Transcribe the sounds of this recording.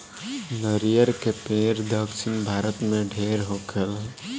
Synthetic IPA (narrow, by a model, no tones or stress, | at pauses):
nəɾijəɾkepeːɾd̪əksɪnbʱaːɾət̪mẽɖʱeːɾɦoːkʰəl